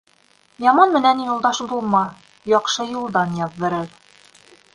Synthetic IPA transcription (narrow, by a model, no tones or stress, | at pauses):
jɑmɑnmɘ̆nænjulˠd̪ɑʃbulˠmɑ | jɒqʃɤjulˠd̪ɑnjɑðːɤ̆ɾɤɾ